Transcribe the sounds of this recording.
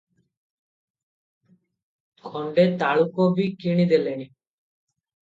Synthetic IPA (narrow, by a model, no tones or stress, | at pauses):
kʰɔɳɖet̪aɭukobikiɽ̃id̪eleni